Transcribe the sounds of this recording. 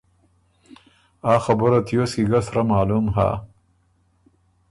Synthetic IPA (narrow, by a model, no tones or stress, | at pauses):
aːxɐbʊɾat̪ʰjosiɡasɾamaːlumɦa̰ː